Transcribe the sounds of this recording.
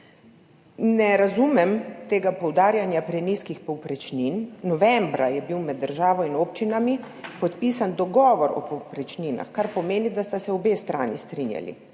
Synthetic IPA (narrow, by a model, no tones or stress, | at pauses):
nɛɾazumɛmt̪eːɡapɔwd̪aːɾjanjapɾɛniːskixpɔwpɾɛt͡ʃninːɔʋɛmbɾajɛbiwmɛd̪ːəɾʒaːʋɔinoːp̚t͡ʃinami | pɔt̪piːsand̪ɔɡɔːʋɔɾɔ̰pɔwpɾɛt͡ʃnina̰xkaɾpɔmeːnid̪ast̪asɛɔbeːst̪ɾa̰ːnist̪ɾinja̰lḭ